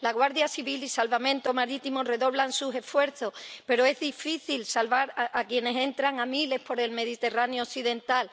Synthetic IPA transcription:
laɣwaɾðjasiβilisalβamẽ̞nt̪omaɾit̪imore̞ðo̞βlansuse̞fwe̞ɾθo̞spe̞ɾo̞e̞zðifiθilsalβaɾakje̞ne̞se̞nt̪ɾaŋamile̞hpo̞ɾe̞lme̞ðit̪e̞ranjooθiðe̞nt̪al

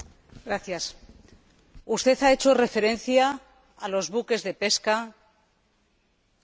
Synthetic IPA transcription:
ɡɾaθjas | ust̪e̞θae̞t͡ʃo̞re̞fe̞ɾẽ̞nθjaː | lo̞zβuke̞zðe̞pe̞ska

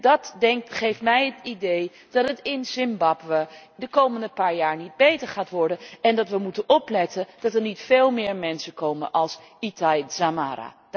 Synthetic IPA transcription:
dɑtdɛŋk̚tχejftmɛjɦətidej | d̥ɑtɦətɪnsɪmbɑpʋədəkowməndəpaːɹjaːɹnid̚bejtəɹχaːtʋɔɹdənɛndɑtʋəmutənɔplɛtənd̥ɑtɛɹnitfeːlˠmɪːɹmɛnsəkowmə̰nʔɑlˠsitajzamaːɾa̰ː

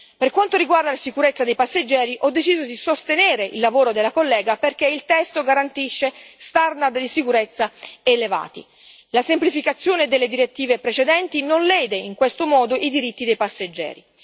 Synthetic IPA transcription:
perkwant̪oɾiɡward̪alasikuɾet̪sːad̪ejpasːed͡ʒːɛːɾiʔɔd̪ːet͡ʃiːzod̪isost̪eneːɾeʔḭlːavoːɾod̪elːakolːɛːɡaperk̟eilt̪ɛst̪oɡaɾant̪iʃːest̪arnat̪d̪isikuɾet̪sːaeleva̰ːt̪ḭ | lasemplifikat̪sːjoːned̪elːed̪iɾet̪ːiːvepɾet͡ʃed̪ɛnt̪inonlɛːd̪eiŋkwest̪omɔːd̪oʔid̪iɾit̪ːid̪ejpasːed͡ʒːɛ̰ːɾḭ

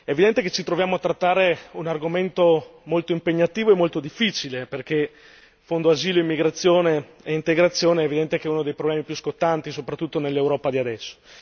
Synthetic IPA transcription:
ɛːvid̪ɛnt̪eket͡ʃit̪ɾovjaːmoat̪ːɾat̪ːaːɾeunarɡoment̪omolt̪oimpeɲːat̪iːvoemolt̪od̪ifːit͡ʃileperke | fond̪oaziːloimːiɡɾat̪sːjoːne | eint̪eɡɾat̪sːjoːneɛvid̪ɛnt̪ekeɛunod̪ejpɾoblɛːmipjuskot̪ːant̪isopɾat̪ːut̪ːonelːewɾɔːpad̪iad̪ɛsːo̥

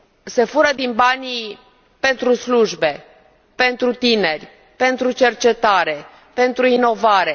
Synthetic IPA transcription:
se̞fuɾəd̪inbanʲi | pe̞nt̪ɾusluʒbe̞ | pe̞nt̪ɾut̪ine̞rʲ | pe̞nt̪ɾut͡ʃe̞rt͡ʃe̞t̪aɾe̞ | pe̞nt̪ɾuino̞vaɾe̞

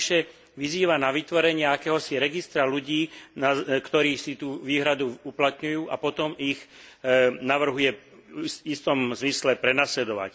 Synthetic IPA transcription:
ʃɛ | ʋiziːʋanaʋit̪ʋɔɾɛɲɪaakɛːɦɔsiɾɛɡist̪ɾaluɟiːnakt̪ɔɾiːsit̪uːʋiːɦɾad̪uuplat̪ɲujuːʔapɔt̪ɔmiɣ | naʋr̩ɦujɛ | ist̪ɔmzmislɛpɾɛnaːslɛd̪ɔʋa̰c

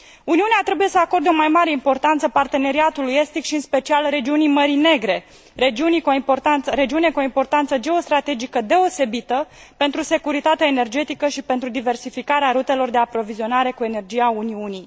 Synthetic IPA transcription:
uniuneat̪ɾe̞buje̞səako̞rd̪eo̞majmaɾe̞impo̞rt̪ant̪səpart̪e̞ne̞ɾiat̪uluje̞st̪ikʃiɨnspe̞t͡ʃialre̞d͡ʒiunijməɾine̞ɡɾe̞ | ɾed͡ʒiunikoiport̪aɾe̞d͡ʒiune̞koimpo̞rt̪ant̪səd͡ʒe̞o̞st̪ɾat̪e̞d͡ʒikəd̪e̞o̞se̞bit̪əpe̞nt̪ɾuse̞kuɾit̪at̪eaene̞rd͡ʒe̞t̪ikəʃipe̞nt̪ɾud̪ive̞rsifikaɾeaɾut̪e̞lo̞rd̪e̞apɾo̞vizio̞naɾe̞kue̞ne̞rd͡ʒijauniunij

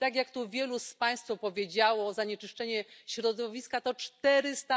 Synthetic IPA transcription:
t̪aɡʲjakt̪uvʲjɛluspaj̃st̪fɔpɔvʲjed͡ʑawɔːzaɲɛt͡ʂɘʂt͡ʂɛɲɛɕɾɔd̪ɔvʲiskat̪ɔt͡ʂt̪ɛɾɘst̪a

